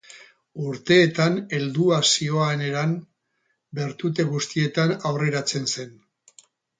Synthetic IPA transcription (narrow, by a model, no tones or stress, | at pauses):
uɾt̪e̞ːt̪ane̞ld̪uasio̞ane̞ɾam | be̞ɾt̪ut̪e̞ɣust̪ie̞t̪anawre̞ɾat͡se̞nse̞n